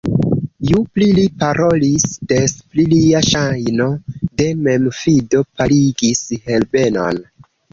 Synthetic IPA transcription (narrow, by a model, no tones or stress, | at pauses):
juplilipaɾʔo̞lisdespliliaʃajno̞de̞me̞mfido̞paliɡishe̞lbe̞no̞̰n